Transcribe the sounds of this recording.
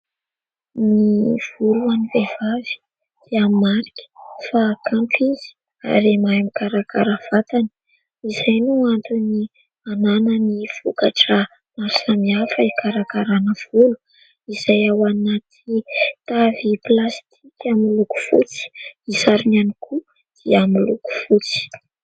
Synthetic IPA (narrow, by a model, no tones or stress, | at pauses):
niv̥uluanivev̥avi̥ | d̪̥eamimaɾikʲi̥fakaɳʈ͡ʂizi̥ | a̰ɾemajamikaɾakaɾav̥at̪anə̥ | iz̥ajnuant̪uni | ananəniv̥ukaʈ͡ʂə | maɾusamiafəikʰaɾakaɾanəv̥ulu̥ | iz̥ajawanat̪ʰit̪aviplast̪ʰikʲamiluku̥fṵt͡si̥isaɾinanikʰu | d̪̥iamiluku̥fut͡si̥